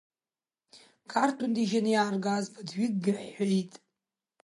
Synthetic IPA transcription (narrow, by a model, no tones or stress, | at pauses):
kʰartʰundiʒanɨjaːrɡaːzbʰadɥiɡ̚ɡʲrħʷᶣajtʼ